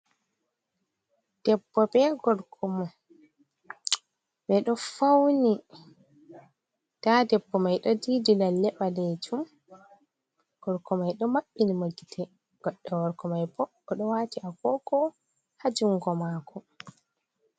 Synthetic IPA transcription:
d̥ɛbːɔbɛɡɔɾkʰɔma | ɓɛɗɔfawni | tadɛbːɔmajɗɔdidilalːɛɓaled͡ʒum | ɡ̥ɔɾkɔmajɗɔmaɓːinimaɡːitʰɛ | ɡ̥ɔɗːɛwɔɾkɔmajbɔːɗɔwatiʔakɔkɔ | had͡ʒuŋɡɔmakɔ

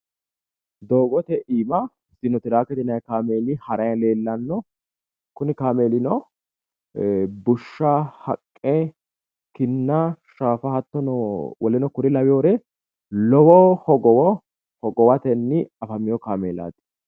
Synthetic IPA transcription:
d̪o̞ːɡɔt̪ɛʔiːmɐ | sɪnɔt̪ɪɾaːkɛt̪ɪnɐjkaːmeːlɪhɐɾɐjɐle̞ːlːɐnːɔ | kʊnɪkaːmeːlɪnɔ | bʊʃːahɐ̰kʼːɛ | kɪnːɐʃaːfɐhɐt̪ːɔnɔwɔlɪnɔkʊɾɪlɐwɪjoːɾɛ | lɔwɔhɔɡɔw | hɔɡɔwɐt̪ɛnːɪɐfɐmːɪjɔkaːmeːla̰ːt̪ːɪ̥

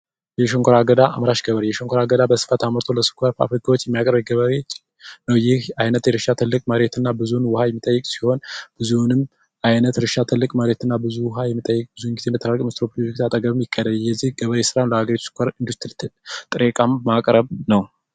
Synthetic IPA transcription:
jɛʃoŋkʷʰoɾaɡəd̪aʔa̰mɾaʃɡəβəɾjɛʃoŋkʰoɾaɡəd̪abəsɨ̥fət̪ʰaməɾt̪ʰo̞ləsɨ̥kʰoɾfa̰fɾɨkʰawot͡ʃːjɛmːijakʼɾəbɡəβəɾet͡ʃʼ | nəwjɪhajnət̪jɛɾɨʃat̪ʰɨlːɨkʼməɾe̞t̪ʰɨnːabɨzunwʊhajɛmːit̪ʼəjːɨkʼsi̥ho̞nb̥ɨzunɨm | ʔajnət̪ɾɨʃat̪ʰɨlːɨkʼməɾe̞t̪ɨnːabɨzuwʊɦajɛmːit̪ʼːəjːɨkʼb̥ɨzuŋɡizeɛmət̪ʰːəɾaɾkʼmɨt̪ɾopʰlod͡ʒikt̪ʰat̪ʼəɡəβɨmjɪkʼːəd̪əljɛzːihɡəβəɾesɨɾanləhaɡəɾit̪u̥sɨ̥kʰʷoɾɨnd̪ust̪ʰɨlɨt̪ʰːɨlt̪ʼɨɾekʼamːakʼɾəβnəw

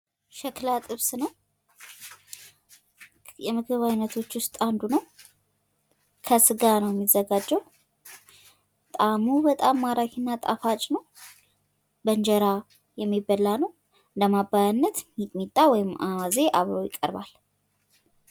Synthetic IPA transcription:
ʃɛklat̪ʼɨβsnəw | jɛmɨɡɨβajnːət̪ʰo̞t͡ʃːwʊst̪ʼand̪unəw | kʰəsɨɡanəwjɛmːizəɡad͡ʒːəw | t̪ʼamubət̪ʼamːaɾakʰinːat̪ʼa̰fat͡ʃʼnəw | bənd͡ʒəɾa | jɛmːibːəlːanəw | ɨnd̪əmabːajanːət̪mimit̪ʼːawɔjɪmawaze̞ʔaβɾojɪkʼːə̰ɾba̰l

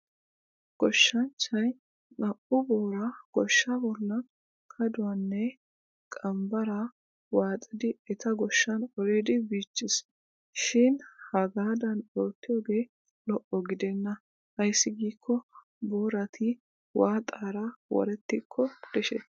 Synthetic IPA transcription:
ɡ̥ɔʃːɐnt͡ʃːɐj | nɐʔʊboːɾɐɡ̥ɔʃːɐbɔlːɐ | kʰɐd̪ʊwɐnːɛ | kʼɐmbɐɾɐ | waːt͡sʼɪd̪ɪɛt̪ɐɡɔʃːɐnɔɾeːd̪ɪbiːt͡ʃːɪs | ʃɪnhɐɡaːd̪ɐnoːt̪ːɪjoːɡe̞ː | lɔʔːɔɡɪd̪ɛnːɐ | hɐjsːɪɡiːkːɔ | boːɾɐt̪ʰɪ | waːt̪ʼaːɾɐwɔ̰ɾɛt̪ːɪkʰːɔd̪̥ɛʃɛ

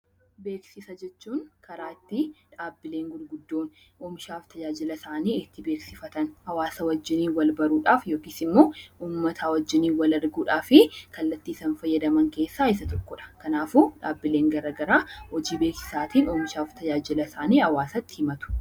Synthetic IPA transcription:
be̞ːksɪsɐd͡ʒɛt͡ʃːuːnkɐɾaːɪt̪ːɪᶑaːbːɪle̞ːŋɡʊdɡʊd̪ːo̞ːn | ʔoːmɪʃaːft̪ʰɐd͡ʒaːd͡ʒɪlɐsaːniːɪt̪ːɪbeːksɪfɐt̪ɐnhɐwaːsɐwɐd͡ʒːɪniːwɐlbɐɾuːᶑaːfjo̞ːkiːsɪmːo̞ːʔuːmːɐt̪ʰɐwɐd͡ʒːɪniːwɐlɐɾɡuːᶑaːfɪkɐlːɐt̪ːiːsɐnfɐjːɐd̪ɐmɐŋke̞ːsːaːɪs̬ɐt̪ɔkːɔᶑɐ̥kɐnaːfuːᶑaːbːɪle̞ːŋɡɐɾɐːɡɐɾaːhɔd͡ʒiːbe̞ːksɪ̥saːt̪iːnoːmɪʃaːft̪ʰɐd͡ʒaːd͡ʒɪlɐsaːniːhɐwaːsɐt̪ːɪ̥hɪmɐt̪ʊ̥

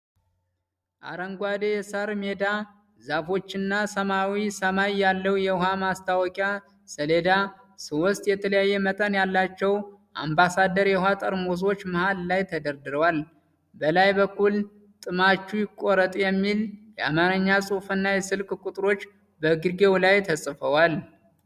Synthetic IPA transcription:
ʔa̰ɾəŋɡʷad̪ejɛsaɾme̞d̪a | zafo̞t͡ʃːɪnːasəmawisəmajːalːəwjɛɦamast̪ʰawɔkʼja | səle̞d̪a | sɨwɔst̪ʼjɛt̪ʰələjajːɛmət̪ʼənjalːat͡ʃːɛwʔa̰mbasad̪əɾjɛhat̪ʼəɾmos̬o̞t͡ʃːmɨhallajt̪ʰəd̪əɾd̪ɨɾəwal | bəlajbəkːul | t̪ʼɨmat͡ʃːujɪkʼoɾət̪ʼjɛmːiljɛamaɾəɲːasʼufɨnːajɛsɨlkʼkʼut̪ʼɾo̞t͡ʃː | bəɡɨɡe̞wlajt̪ʰəsʼfəwal

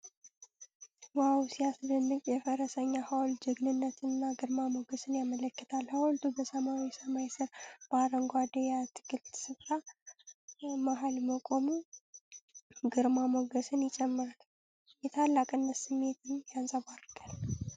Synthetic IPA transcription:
wawsijasd̪ənːɨkʼjɛfəɾəsəɲːahawld͡ʒɨɡnɨnːət̪ʰɨnːaɡɨɾmamoɡəsɨnjamələkːɨt̪ʰalhawɔlt̪ʰubəsəmawisəmajsɨɾb̥aɾəŋɡʷad̪ejat̪ʰɨ̥ɡɨlt̪sɨfɾa | maɦalməkʼo̞mu | ɡɨɾmamoɡəsɨnjɪt͡ʃʼɛmːɨɾal | jɛt̪ʰalːakʼɨnːəsɨmːe̞t̪ʰɨnjansʼəβaɾɡʼal

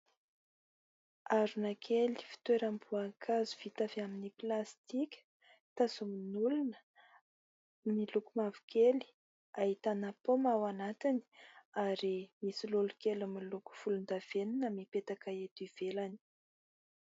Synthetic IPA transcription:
aɾunakʰeli̥fi̥t̪weɾambuakʰazuv̥it̪afaminiplast̪ikʲə̥ | t̪asuminulunə̥ | milukumavu̥kʲeli̥ | aɦit̪anapomawanat̪ini̥aɾimisilulukelamiluku̥fulund̪av̥eninəmipet̪akaet̪iv̥elani̥

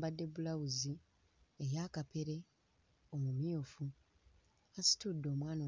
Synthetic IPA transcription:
badːe̞bulawuzi | ejaːkape̞ɾe̞ | o̞mumjofu | asi̥tudːo̞ːmwaːna

